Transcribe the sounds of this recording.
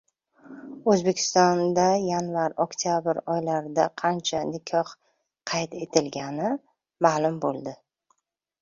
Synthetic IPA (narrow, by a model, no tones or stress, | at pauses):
ɵzbe̞kʲʰɪ̥st̪ɒnd̪ajanvaɾɒkt̪ʰjabɪɾɒjlaɾɪd̪aqʰɑnt͡ʃʰanɪkʲʰɒh | qʰɑjt̪ʰe̞t̪ʰɪlɡʲanɪ | maːlʊmbolˠd̪ɪ